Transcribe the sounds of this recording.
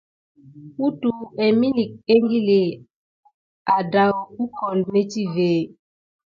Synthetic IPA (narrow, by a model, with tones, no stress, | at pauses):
u˦tu˨ɛ˨mi˦li˨k̚e˦ŋɡi˦le˨ | a˨da˨wu˦kɔ˨lme˦ti˦ve˨